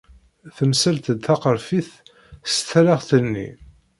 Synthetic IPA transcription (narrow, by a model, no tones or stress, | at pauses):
θəmsælt̪əd̪θɑqəɾfiθ | st̪ʰːælæʁθənːḭ